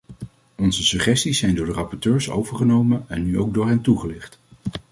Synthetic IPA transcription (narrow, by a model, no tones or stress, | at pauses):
ɔnzəsɵχɛstisːɛjndʊːɹdərɑpɔɹtøːɹso̰wvəɹχənowmənɛnːyowɡ̚dʊːɹɦɛntuχəlɪχt